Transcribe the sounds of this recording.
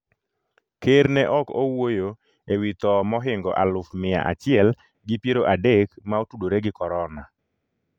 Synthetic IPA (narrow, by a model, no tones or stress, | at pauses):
keɾnɛʔɔkowojo | ewit̪ɔmɔɦɪŋɡɔ̰ʔalʊfmɪja̰ʔa̰t͡ʃɪɛl | ɡɪpjeɾoʔadekmaotudoɾeɡɪkɔɾɔna